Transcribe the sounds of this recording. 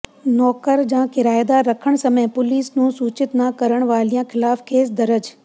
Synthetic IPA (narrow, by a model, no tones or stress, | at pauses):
nɔːkəɾd͡ʒãːkɪɾaːjd̪aɾɐkʰəɽ̃sɐməj̃pʊliːsnũːsuːt͡ʃɪt̪nakəɾəɽ̃ʋaːlijãkʰɪlaːfkʰeːs̬d̪ɐɾəd͡ʒ